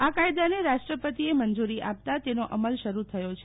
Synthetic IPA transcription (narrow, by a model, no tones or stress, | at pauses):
akajd̪aneɾaʃʈɾəpət̪iemənd͡ʒuɾiʔap̚t̪at̪enoʔəməlʃəɾut̪ʰəjot͡ʃʰe